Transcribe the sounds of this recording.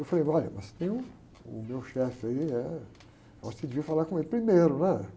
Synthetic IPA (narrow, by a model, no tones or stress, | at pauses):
ewfalejɔʎɐ̰mɐst̪ẽj̃ʊ̃ | ʊ̰mewʃɛfɪaiɛ | ɔsed̪eviɐfalaɾkõelʊpɾimeɾʊnɛ